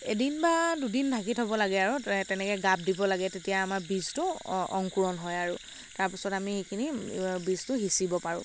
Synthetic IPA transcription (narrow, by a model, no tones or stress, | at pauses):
edinbadudintʰakitʰɔbɔlaɡɛaɹutɛnɛkɛɡab̚dibɔlaɡɛtetijaːmaɹbiztʊɔ̰ŋkuɹɔnɦɔjaɹu | taɹpisɔtamixekʰinibiztʊɦisibɔpaɹʊ̰̃